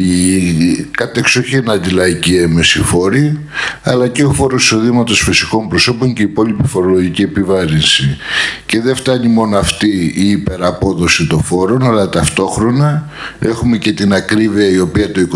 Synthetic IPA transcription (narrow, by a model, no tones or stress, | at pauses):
i | kɐt̪e̞ksoçienɐnd̪ilɐicieme̞sifo̞ɾi | ɐ̰lɐceofo̞ɾosi̥so̞ðimɐt̪o̞sfisiko̞mpɾo̞so̞po̞ɲce̞ipo̞lipifo̞ɾo̞loʝicie̞pivɐɾinsice̞ðeft̪ɐɲimo̞noɐft̪iːpe̞ɾɐpo̞ðo̞sit̪o̞fo̞ɾo̞nɐlɐt̪ɐft̪o̞xɾo̞nɐ | e̞xume̞ce̞t̪inɐkɾiviɐio̞piɐt̪o̞ik